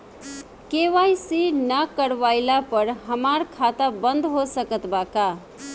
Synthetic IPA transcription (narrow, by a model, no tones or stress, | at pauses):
keʋajsinəkəɾwajlapəɾɦəmaɾkʰat̪abənd̪ɦosəkət̪baka